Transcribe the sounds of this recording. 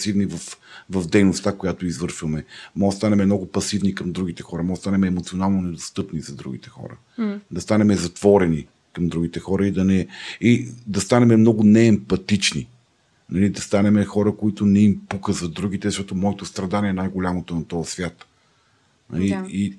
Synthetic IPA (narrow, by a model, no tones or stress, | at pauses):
sivnivɐfvɐfd̪ɛjnost̪akojat̪oizvɤɾʃvɐmɛmɔst̪anɛmɛmnɔɡʊpɐsivnikɐmd̪ɾuɡ̟it̪ɛxɔɾɐmɔst̪anɛmɛːmot̪sionalˠnonɛd̪ost̪ɤpnizɐd̪ɾṵɡ̟it̪ɛ̥xɔ̰ɾə̰ | d̪ɐst̪anɛmɛzɐt̪v̥ɔɾɛni | kɐmd̪ɾuɡ̟it̪ɛxɔɾəid̪ɐnɛid̪ɐst̪anɛmɛmnɔɡʊnɛːmpɐt̪it͡ʃnḭ | nɐlid̪ɐst̪anɛmɛxɔɾəkoit̪ʊnɛimpukəzɐd̪ɾuɡit̪ɛzɐʃt̪ɔt̪omɔɛt̪ost̪ɾɐd̪aniɛnajɡolʲamot̪onɐt̪ɔɐsvʲjat̪ | nɐ̰lii